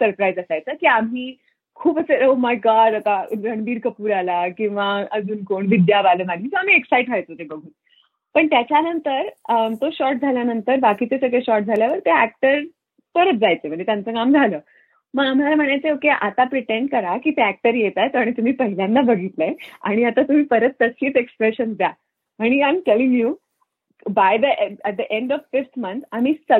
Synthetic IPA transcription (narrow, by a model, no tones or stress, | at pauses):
səɾpɾajd͡zəsajt͡səkiːam̤iː | kʰuːpəseɾəmakaɾat̪aɡʱəɳʋiːɾkəpuːɾalakĩw̃ʋaəd͡zuːnkoɳʋid̪jabaləmaliːsoam̤iːeksaiʈkʰajt̪ot̪ebəɡʱuːn | pəɳt̪jat͡ɕjanənt̪əɾt̪oɕɔʈ̚d͡zʱaljanənt̪əɾbakit͡sesəɡɭeɕɔʈ̚d͡zʱaljaʋəɾt̪eæk̚ʈəɾ | pəɾət̪̚d͡zajt͡sem̤əɳit̪jant͡səkamd͡zʱaləː | məɡam̤alam̤əɽ̃ajt͡seokeʔat̪apɾiʈeɳɖkəɾakiːt̪eæk̚ʈəɾjet̪ajt̪aɽ̃it̪um̤iːpəɦiljãnːabəɡʱit̪ləea̰ɽ̃iat̪at̪um̤iːpəɾət̪ːəsiːt͡sekspɾeɕənd̪ja | aɽ̃iamʈeliŋɡjuː | bajd̪əʔæʈ̚d̪əʔẽɳɖɔʋfift̪ʰmə̃nt̪ʰam̤isə